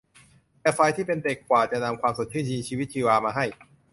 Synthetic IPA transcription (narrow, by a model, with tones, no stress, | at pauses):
t̪ɛː˨˩fa˧jt̪ʰiː˥˩pe˧nde˨˩kːwaː˨˩t͡ɕa˨˩ʔna˧mkʰwaː˧mso˨˩t̪̚t͡ɕʰɯː˥˩t͡ɕʰiː˧nt͡ɕʰiː˧wi˦˥t̪̚t͡ɕʰiː˧waː˧maː˧ɦa˥˩j